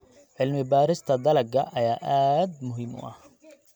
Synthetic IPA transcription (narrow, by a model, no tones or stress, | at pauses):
ʕɪlmɪbaːɾɪst̪ʰɐd̪ɐlɐɡɐ̰ʔɐjaːʔaːd̪mʊɦɪːmʔʊ̰ʔɐh